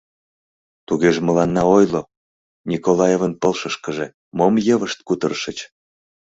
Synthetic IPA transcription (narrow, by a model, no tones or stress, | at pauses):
t̪uɣeʒemə̆lɑnːɑojlo | nʲikolɑjevənpəlʃəʃkəʒe | momjəβəʃt̪̚kut̪ərʃət͡ɕ